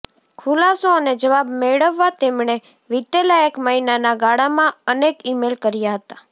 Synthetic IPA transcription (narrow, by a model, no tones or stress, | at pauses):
kʰulasoəned͡ʒəʋabmeɭəʋːat̪emɳ̃e | ʋid̪elajəkməɦinanaɡaɽamãənekimelkəɾjaɦət̪a